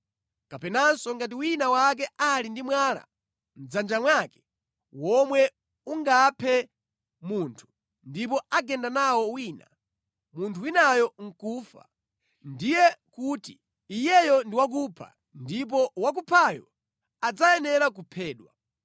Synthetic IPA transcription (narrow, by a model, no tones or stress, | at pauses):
kapɛnansɔŋɡat̬iwinawak̬ɛalindimwaːla̰ | m̩d͡zand͡ʒamwakɛ̥ | wɔmwɛ | uŋɡaːpʰɛ | muntʰu̥ | ndip̬ɔaɡɛndanawɔwiːna̰ | muntʰuwinajɔŋ̩kuːfa̰ | ndijɛkuːtiː | jɛjɔndiwak̬upʰa̰ | ndip̬ɔwak̬upʰajɔ | ad͡zajɛnɛɾak̬upʰɛːɗwa̰